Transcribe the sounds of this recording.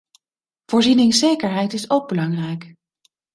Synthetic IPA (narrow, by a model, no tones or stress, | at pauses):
v̥ʊːɹzinɪŋsejkəɹɦɛjtɪsowɡ̚bəlɑŋrɛjk